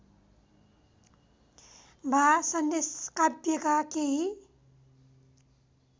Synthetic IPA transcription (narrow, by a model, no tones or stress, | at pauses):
bʱasʌnd̪eskabjekakeɦi